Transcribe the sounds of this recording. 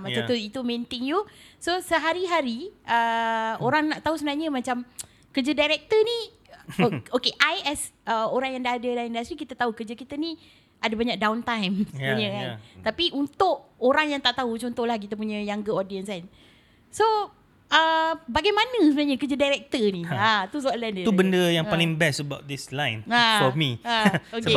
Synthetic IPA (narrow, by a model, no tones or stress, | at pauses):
mat͡ʃat̪uit̪umẽnt̪ɪŋjusosəɦaɾiɦaɾiʔəoɾaŋnaʔt̪ausəbənaɲəmat͡ʃam | kərd͡ʒədajɾɛk̚t̪əni | okeʔajɛsəoɾaŋjaŋdaadədajindast̪ɾikit̪ət̪aukəd͡ʒəkit̪əni | ʔadabaɲak̚dawnt̪ajmsəbaɲəkant̪apiʔunt̪ʊʔoɾaŋjaŋt̪aʔt̪aut͡ʃɔnt̪ɔhlahk̬it̪əp̬uɲə̃jaŋɡəɔdiənskan | so | ʔəbaɡajmanəsəbənaɲəkəd͡ʒədajɾɛk̚t̪əniat̪usɔʔlɛndəubəndəjaŋpalɪŋbɛsəbapt̚d̪islãjnaɔmiaoke